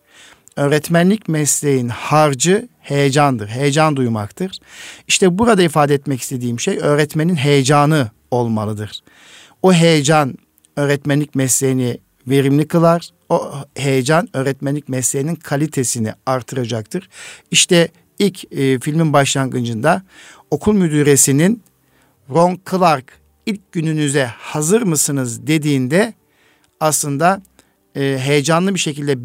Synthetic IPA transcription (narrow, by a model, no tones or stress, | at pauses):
øːɾɛt̪mænlʲicmɛslʲejinhaɾd͡ʒɯhe̞jed͡ʒand̪ɯɾɦe̞jed͡ʒand̪ujma̰kt̪ʰɯɾ̥iʃt̪ɛbuɾad̪aifaːd̪ɛːt̪mɛci̥st̪ʰe̞d̪iːmʃejø̞ːɾɛt̪me̞ninɦe̞jed͡ʒaːnɯ | o̞lˠmalˠɯd̪ɯɾ̥ | uɦe̞jed͡ʒan | ø̞ːɾɛt̪mænlʲicʲmɛslʲejini | ve̞ɾimlʲikʰɯlˠaɾ̥ | ohe̞jed͡ʒanø̞ːɾɛt̪mænʲicmɛslʲejininkʰalʲit̪ʰe̞sinḭaɾt̪ʰɯɾad͡ʒak̚t̪ʰɯɾ̥iʃt̪ʰɛ | ilʲcːfilʲminbaʃlˠanɡɯnd͡ʒɯnd̪a | o̞kʰulˠmyd̪yːɾesinin | ɾonkʰɯlˠaɾk | ilʲc̚ɟynynyzɛhazɯɾmɯsɯnɯzd̪e̞d̪iːnd̪ɛ | aslˠɯnd̪a | ɯːɦe̞jed͡ʒanlˠɯbiʃecilʲd̪ɛ